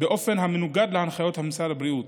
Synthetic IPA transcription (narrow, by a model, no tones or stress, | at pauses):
beʔo̞fe̞nɦamenuɡad̪leanχajo̞t̪hamisalabʁiut̪